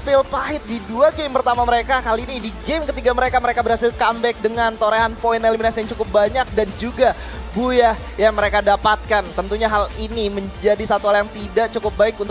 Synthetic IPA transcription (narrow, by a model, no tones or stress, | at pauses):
pɪlpaɦɪt̪̚diduaɡempərt̪amaməɾekakaliːnidiɡemkət̪iɡaməɾekaməɾekabərhasɪlkambɛk̚dəŋant̪oɾeɦanpoineliminasijaŋt͡ʃukʊp̚baɲak̚dand͡ʒuɡa | bujah | jaŋməɾekadapat̪̚kant̪ənt̪uɲaɦaliniməɲd͡ʒadisat̪uɦaljaŋt̪idaʔt͡ʃukʊp̚baɪkunt̪